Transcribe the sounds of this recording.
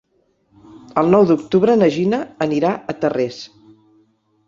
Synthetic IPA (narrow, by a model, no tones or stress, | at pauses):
əlˠnɔwd̪uk̚t̪uβɾənəʒinəːniɾaət̪əres